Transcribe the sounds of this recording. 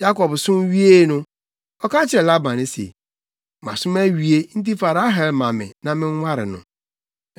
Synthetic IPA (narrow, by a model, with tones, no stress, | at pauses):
ja˦kɔ˨bsʊ̃˦m˦ɥi˦e˦nʊ̃˦ | ɔ˦ka˦t͡ɕʰɪ˦ɛ˨la˦bã˨nɪ̃˨sḛ˨ | mã̰˨sʊ̃˦mæ˦ɥi˨e˦n̩˦ti˦fa˨ɾa˦ɦɛ˨lmã˨mɪ̰̃˨nã˨mɪ̃˦ŋ˦wa˦ɾɪ̰˨nʊ̰̃˨